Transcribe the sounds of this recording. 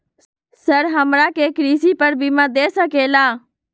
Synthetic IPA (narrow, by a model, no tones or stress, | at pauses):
səɾɦəmɾaːkeːkɾiːsiːpəɾbʱiːmãːd̪eːsəkeːlaː